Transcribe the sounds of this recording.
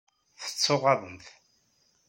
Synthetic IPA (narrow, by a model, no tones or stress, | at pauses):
θə̥t͡sːʊʁɑðˤənθ